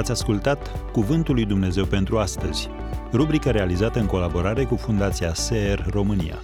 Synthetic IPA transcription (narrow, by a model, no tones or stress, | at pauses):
at̪sʲaskult̪at̪kuvɨnt̪ulːujd̪umne̞ze̞wpe̞nt̪ɾuast̪əz̥ʲ | rubɾikəɾe̞alizat̪əɨŋko̞labo̞ɾaɾe̞kufund̪at̪siaserro̞mɨnḭja̰